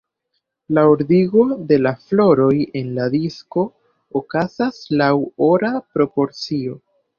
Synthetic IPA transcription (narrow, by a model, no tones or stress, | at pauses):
laoɾdiɡo̞de̞laflo̞ɾo̞je̞nladisko̞ː | kazaslawo̞ɾapɾo̞po̞ɾt͡sio̞